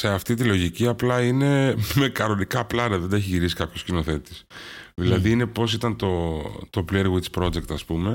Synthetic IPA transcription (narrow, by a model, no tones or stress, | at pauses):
se̞ɐft̪it̪̬ilo̞ʝiciɐplɐine̞me̞kɐɾo̞nikɐplɐnɐðed̪ɐeçiʝiɾisi̥kɐpçoscino̞θe̞t̪esðilɐðiine̞po̞sit̪ɐnt̪o̞t̪o̞pleɾɣwit͡spɾo̞d͡ze̞kt̪ɐspume̞